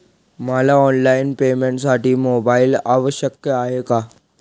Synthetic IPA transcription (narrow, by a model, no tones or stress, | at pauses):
malaɔnlainpemeɳʈsaʈiːmobailaʋəɕjəkjəaɦeka